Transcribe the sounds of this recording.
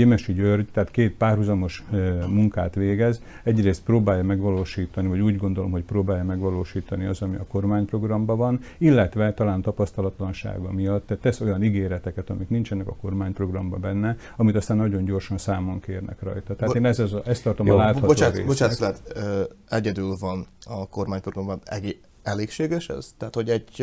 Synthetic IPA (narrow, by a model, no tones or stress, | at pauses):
emɛʃiɟørɟt̪ɛːt̪keːt̪̚paːrɦuzɒmo̞ʃmuŋka̰ːt̪ʋeːɡɛz | ɛɟreːst̪̚proːbaːjːɒmɛɡʋɒloːʃiːt̪ɒnivɒɟuːɟɡo̞nd̪o̞lomɦo̞cproːbaːjɒmɛɡʋɒloːʃiːt̪ɒniɒzɒmiɒko̞rmaːɲpro̞ɡrɒmbɒvɒnilːɛt̪ʋɛt̪ɒlaːnt̪ɒpɒst̪ɒlɒt̪lɒnʃa̰ːɡɒmijɒt̪ːɛt̪ːɛso̞jɒniɡeːɾɛt̪ɛkɛt̪ɒmiknint͡ʃɛnɛkɒko̞rmaːɲpro̞ɡrɒmbɒbɛnːɛ | ɒmit̪ɒst̪aːnːɒɟo̞ɲɟo̞rʃɒnsaːmoŋkeːrnɛ̰krɒ̰jt̪ɒt̪ɛɦat̪eːnɛzɛzɛst̪ːɒrt̪o̞mɒlaːt̪hɒbot͡ʃ̪aɾḛːbot͡ʃaːslɛt̪ː | ɛɟɛd̪ylvɒnɒko̞rmaːɲproɡrɒmbɒɛɡ | ɛleːkʃeːɡɛʃɛ̰z̥t̪ɦaːt̪ho̞ɟɛɟ